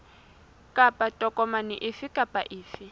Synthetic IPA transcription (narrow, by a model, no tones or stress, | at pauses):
kʼapʼatʼɔkʼɔmanɪʔɪfɪkʼapʼaʔɪːfɪ